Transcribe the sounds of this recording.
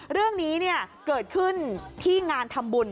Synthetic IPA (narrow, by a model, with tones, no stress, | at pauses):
ɾɯ˥˩əŋniː˦˥ni˥˩ɐkɤː˨˩t̪̚kʰɯ˥˩nt̪ʰiː˥˩ŋaː˧nt̪ʰa˧mbu˧n